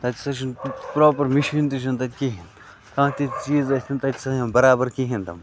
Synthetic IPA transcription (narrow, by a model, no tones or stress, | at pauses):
t̪ɐt̪ʲsɐʃ̬inpɾoːpɐɾmiʃʋint̪iʃ̬ɐnt̪ɐt̪ʲkiɦĩn | kãːt̪it͡ʃiːzɐt̪ʲʰint̪ɐt̪ʲsɐɦɐ̃nbɐɾaːbɐɾkiɦĩnt̪ɐm